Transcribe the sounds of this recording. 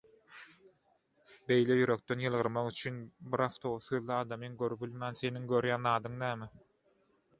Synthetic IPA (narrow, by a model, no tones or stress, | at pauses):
be̞jlejyɾø̞k̚t̪ø̞njɯlˠʁɯɾmɑʁyt͡ʃʰynbiɾɑft̪ʰoβsɯːðlˠɯɑːd̪ɑmɯŋɡøɾypilʲmæːnθe̞niŋɡøɾjæːnɑːd̪ɯŋnæːmi